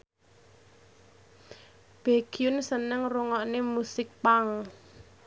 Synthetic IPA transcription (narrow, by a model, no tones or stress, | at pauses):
b̥eɡ̥iʊnsənəŋruŋɔʔnemusɪk̚paŋ